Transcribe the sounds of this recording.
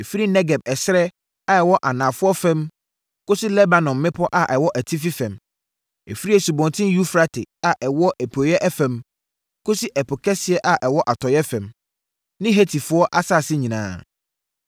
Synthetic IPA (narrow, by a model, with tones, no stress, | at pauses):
e˨fi˦ɾi˦nɛ˦ɡɛ˨b̚ɛ˨sɾɛ˦ | a˦˨ɛ˨wɔ˦ʔa˨nãː˨fʊ˦ɔ˦fɛ̃˦m | ko˦si˦lɛ˦ba˨nɔ̃˨mːɪ̃˦pʰɔ˦ʔa˨ʔɛ˨wɔ˦ʔæ˨tʰi˦fi˦fɛ̃˨m | ḛ˨fi˦ɾi˦ɛ˨su˨bɔ̃˨n˨tʰɪ̃˦ju˦fɾa˦tʰɪ˨a˨ʔɛ˨wɔ˦ʔæ˨pʰo˨jɛ˦ʔɛ˦fɛ̃˨m | kʰʊ˦si˦ʔɛ˨pʰʊ˨kʰɛ˦sɪ˨ɛ˦ʔa˨ʔɛ˨wɔ˦ʔa˨tʰɔ˨jɛ˦fɛ̃˨m | nɪ̃˦ɦe˦tʰi˨fʊ˨˦ɔ˦ʔa˦sa˦˨sɪ˦ɲĩ˨nã̰ː˦